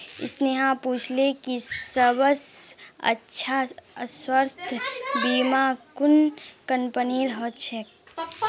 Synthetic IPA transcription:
ɪ̰sneɦãpuːt͡ʃʰlekisəbəsə̰tːʃʰaswəɾst̪ʰbiːmakunkənpəniːɾɦɔt͡ʃʰɛk

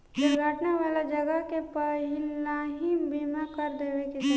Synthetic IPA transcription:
d͡ʒʊɾɡʱaːʈneʋaːlad͡ʒɐɡəɦkepɐɦɪlaːɦibʱiːmãkəɾd̪eːʋekis

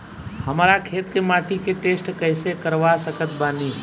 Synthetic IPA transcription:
həmːɾakʰeːt̪kemaːʈʰikeʈeːsʈkəɦɪsekəɾʋasəkət̪̚baːni

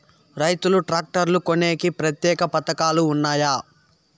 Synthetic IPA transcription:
ɾɐjt̪uluʈɾaːk̚ʈɐɾlukone̞ːkipɾɐt̪jɛːkɐpɐt̪ɐkaːluːnːaːjaː

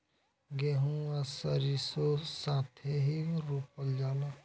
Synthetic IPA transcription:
ɡeɦũasəɾisosaːt̪ʰeɦiɾupəld͡ʒaːla

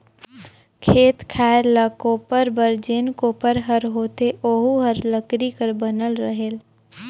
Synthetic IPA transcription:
kʰeːt̪kʰaːɾlakopəɾbəɾd͡ʒeːnkoːpəɾɦəɾɦoːt̪eʔoːɦuɦəɾləkɾikəɾbənəlɾəɦel

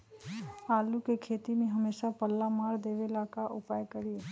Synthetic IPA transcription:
aːlukekʰeːt̪imẽɦəmeːʃapəlːamaːɾd̪eːʋelaːkaʔʊpaːjkəɾie

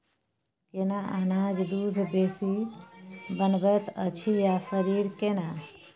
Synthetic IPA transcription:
kenaanaːd͡ʒd̪uːd̪ʱbeːsi | bənbət̪ət͡ʃʰijasəɾiːɾkena

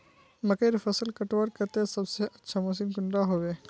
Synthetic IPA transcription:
məkeɾfəsəlkəʈʋaɾkət̪esəbseʔɐtːʃʰamos̬inkʊɳɾaɦoʋe

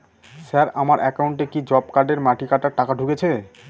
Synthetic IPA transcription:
saɾamaɾɛkauɳʈekid͡ʑɔbkaɾɖeɾmaʈʰikaɾʈaʈakaɖʱuket͡ɕʰe

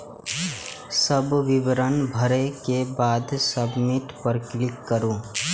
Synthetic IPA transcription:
səbʋɪʋɾənbʱəɾekebaːd̪səbmɪʈpəɾklɪkːəɾũː

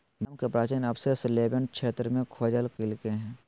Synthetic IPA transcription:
məmkepɾaːt͡ʃinɐbsesleːbə̃ɳɖ̚kʰʃʰeːt̪ɾmẽkʰoːd͡ʒəlkɪlkeɦɛ̃ː

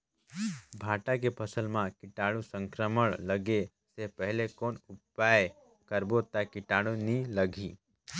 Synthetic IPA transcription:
bʱaʈakepʰəsəlmãkɪʈaːɽũsə̃ŋkɾəməɭləɡe | seɦpəɦlekoːnupaj | kəɾbot̪akɪʈaɽũniləɡʱi

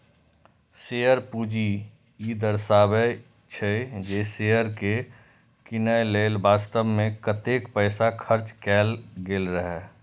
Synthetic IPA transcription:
seːjəɾpuːd͡ʒi | id̪əɾsaːbə | t͡ʃʰəed͡ʒeːseːəɾke | kɪnəjleːlbaːst̪əbmẽkət̪eːkpəːsakʰəɾt͡ʃkɛːlɡeːlɾəɦɛː

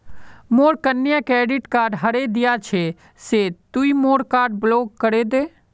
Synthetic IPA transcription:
moːɾkənːjakeːɖɪʈkaːɾɖɦəɾed̪ɪjat͡ʃʰe | set̪uimoːɾkaːɾɖbloːɡkːəɾed̪eː

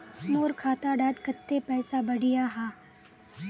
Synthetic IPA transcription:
noːɾkʰaːt̪aɖaːd̪kɐt̪ːepɛːsabɐɽɪjaɦaː

